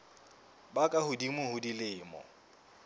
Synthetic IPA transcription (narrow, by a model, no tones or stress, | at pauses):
bakʼahʊdimɪhʊdilɪːmɔ̰